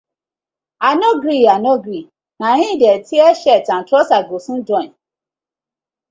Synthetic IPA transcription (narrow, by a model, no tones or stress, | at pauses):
anɔɡɾianɔ̃ɡɾi | nãɲɪ̃dɛtʰiɛɕɛtãn̩tʰɔsaɡosũdɔ̃